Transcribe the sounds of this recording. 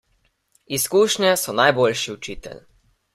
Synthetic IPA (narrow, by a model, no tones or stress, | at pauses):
iskuːʃɲɛsɔnajbolʃiut͡ʃiːt̪ɛ̰l